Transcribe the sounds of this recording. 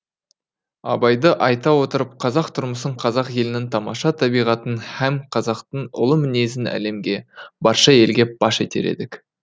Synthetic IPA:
ɑ̰bɑjd̪əʔɑjt̪ɑwo̞t̪əɾəp̚qʰɑzɑq̚t̪ʰʊɾməsəɴqʰɑzɑqje̞lɪnɪŋt̪ʰɑmɑʃɑt̪ʰɑbijʁɑt̪ənhæmqʰɑzɑqt̪əɴʊ̰lˠəmɪne̞s̬ɪnæ̰le̞mɡʲe̞bɑɾʃɑe̞lɡʲe̞b̥ɑʃet̪e̞̰ɾe̞̰d̪ɪk

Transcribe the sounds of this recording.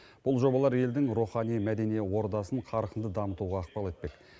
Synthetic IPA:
b̥ʊlˠʒo̞bɑlˠɑɾe̞ld̪ɪŋɾuχɑnijmæd̪e̞nijewo̞ɾd̪ɑsəɴqʰɑɾəqənd̪əd̪ɑmət̪uʁɑːq̚pɑlˠe̞t̪̚pe̞k

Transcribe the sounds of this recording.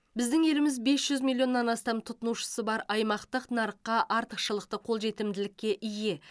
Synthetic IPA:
bɪzd̪ɪŋe̞lɪmɪzbe̞sʒ̥ʏzmʲilʲˠjo̞nːɑnɑst̪ɑmt̪ʰʊt̪ənuwʃə̥səbɑɾɑjmɑqt̪əqnɑɾəqːɑʔɑɾt̪əqʃəlˠəq̚t̪əqʰo̞lˠʒe̞t̪ɪmd̪ɪlɪkʲːe̞ʔɪje̞

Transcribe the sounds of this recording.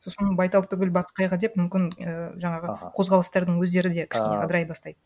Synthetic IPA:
so̞sənbɑjt̪ɑl̚ˠt̪ʰʏɡʲɪlbɑsqɑjʁɑd̪e̞pmʏmkʲɪnəʒɑɴɑʁəqʰo̞zʁɑlˠəst̪ɑɾd̪əɴŋwɵzd̪e̞ɾɪd̪e̞kʲʰɪ̥ʃkʲe̞neqɑd̪əɾɑjbɑst̪ɑjd̪ə

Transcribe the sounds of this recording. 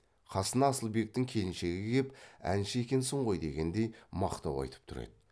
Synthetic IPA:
qʰɑsənɑːsəlˠbe̞k̚t̪ɪŋkʲʰe̞lɪnʃe̞ɡʲɪkʲʰe̞pæ̰nʃɪe̞kʲe̞nsəɴʁo̞jd̪e̞̰ɡʲe̞nd̪e̞jmɑqt̪ɑwɑ̰jt̪ə̥p̚t̪ʰʊɾḛd̪̥ɪ

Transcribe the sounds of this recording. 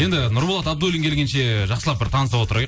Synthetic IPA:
je̞nd̪ɪnʊɾbolˠɑt̪ɑb̚d̪ulʲiŋkʲʰelʲɡʲenʃe̞ʒɑqsəlˠɑp̚bɪɾt̪ʰɑnəsɑpo̞t̪əɾɑ

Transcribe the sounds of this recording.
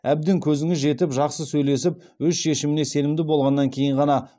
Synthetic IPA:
æb̚d̪ɪŋkʲʰɵzɪŋɪzʒe̞t̪ɪpʒɑqsəsɵjle̞sɪp̚wɵzʃe̞ʃɪmɪne̞se̞lɪmd̪ɪbo̞lˠʁɑnːɑŋkʲʰe̞jɪɴʁɑnɑ

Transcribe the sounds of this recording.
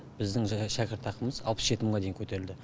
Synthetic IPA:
b̥ɪzd̪ɪŋʃækʲɪɾt̪ʰːɑqəməzɑ̰lˠpəsʒe̞t̪ɪməɴʁɑd̪e̞jɪŋkʲʰɵt̪e̞ɾɪld̪ɪ

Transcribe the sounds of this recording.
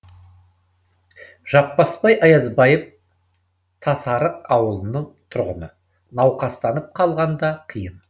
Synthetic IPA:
ʒ̥ɑpːɑspɑjʔɑjɑzbɑjəf | t̪ʰɑsɑɾəqɑwəlˠənəɴt̪ʰʊɾʁənə | nɑwqɑst̪ɑnəp̚qʰɑlˠʁɑnd̪ɑqʰəjən

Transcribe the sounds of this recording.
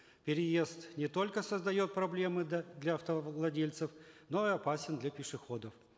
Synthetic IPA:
pʲɪɾʲɪje̞st̪nʲɪt̪o̞lʲkəsəzd̪ɐjo̞t̪̚pɾɐblʲe̞mɨd̪lʲɐɐft̪əlˠɐdʲelʲt̪sɨfno̞iɐpasʲɪnd̪lʲɐpʲɪʂɨxo̞d̪əf

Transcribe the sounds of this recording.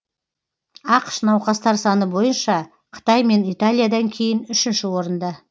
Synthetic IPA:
ɑqə̥ʃnɑwqɑst̪ɑɾsɑnəbo̞jənʃɑ | qʰə̥t̪ɑjme̞nijt̪alʲˠijad̪ɑŋkʲʰe̞jɪnʏʃɪnʃɪwo̞ɾənd̪ɑ

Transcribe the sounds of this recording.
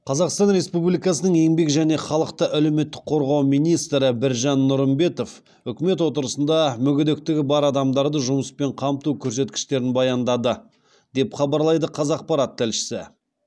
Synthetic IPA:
qʰɑzɑqst̪ɑnɾe̞spublijkɑsənəɴe̞ŋbe̞kʒæne̞χɑlˠəqt̪əʔæle̞me̞t̪ːɪ̥k̚qʰo̞ɾʁɑwmijnijst̪ɾəbɪɾʒɑnːʊɾəmbe̞t̪o̞f | ʏkʲɪme̞t̪wo̞t̪əɾəsənd̪ɑmʏɡʲɪd̪ek̚t̪ɪɡʲɪbɑɾɑd̪ɑmd̪ɑɾd̪əʒʊməspe̞ɴqʰɑmt̪ukʲʰɵɾse̞t̪kʲɪ̥ʃt̪e̞ɾɪnbɑjɑnd̪ɑd̪ə | d̪e̞pχɑbɑɾlˠɑjd̪əqʰɑzɑq̚pɑɾɑt̪ʰːɪlʃɪ̥sɪ̰

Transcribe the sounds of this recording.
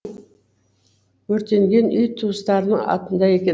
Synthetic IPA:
wɵɾt̪e̞ŋɡʲe̞nʏjt̪ʰuəst̪ɑɾənəɴɑ̰t̪ənd̪ɑje̞kʲe

